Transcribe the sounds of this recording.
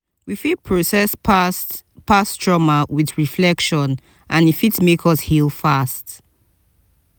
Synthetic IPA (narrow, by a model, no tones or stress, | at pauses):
wifid̚pʰɹosɛss | pastɹɔmawiðɹiflɛkʃɔ̃n | ʔãnifitmekʰɔshilˠfast